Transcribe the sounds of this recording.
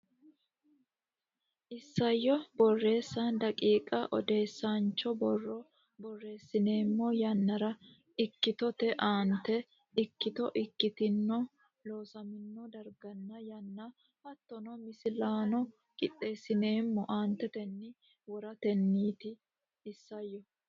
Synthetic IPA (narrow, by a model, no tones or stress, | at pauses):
ʔɪsːɐjːɔbɔrːe̞ːsːand̪ɐkʼiːkʼɐʔɔd̪e̞ːsːant͡ʃːɔbɔrːɔ | bɔrːe̞ːsːɪne̞ːmːɔjɐnːɐɾɐ | ɪkːɪt̪ɔt̪ɛʔaːnt̪ːɛ | ɪkːɪt̪ɔʔɪkːɪt̪ɪnːɔ | lo̞ːsɐmɪnːɔd̪ɐɾɡɐnːɐjɐnːɐ | hɐt̪ːɔnɔmɪsɪlaːnɔ | kʼɪt̪ʼːe̞ːsːɪne̞ːmːɔʔaːnt̪ːɛt̪ɛnːɪ | wɔɾɐt̪ɛnːiːt̪ɪː | sːɐjːɔ